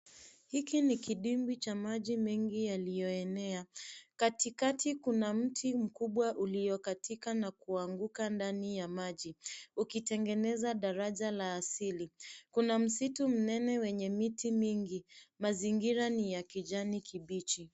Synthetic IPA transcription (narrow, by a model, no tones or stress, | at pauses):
hikinikiɗimbit͡ʃamaʄimɛŋɡijalijɔɛnɛakatikatikunam̩tʰim̩kuɓwaʔulijɔkatʰikanakuaŋɡukandanijamaʄiukitɛŋɡɛnɛzaɗaɾaʄalaːsilikunam̩situm̩nɛnɛwɛɲɛmitimiŋɡimaziŋɡiɾanijakiʄanikʰiɓit͡ʃi